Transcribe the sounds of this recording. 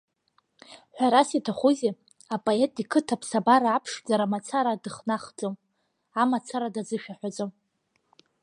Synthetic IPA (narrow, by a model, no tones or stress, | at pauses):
ħᶣʷaɾasitʰaχuze | apʼoetʼikʰɨtʰapʰsabaɾaːpʰʂd͡zaɾamat͡sʰaɾadɨχnaχd͡zʼom | amat͡sʰaɾadad͡zɨʃᶣaħʷᶣad͡zʼom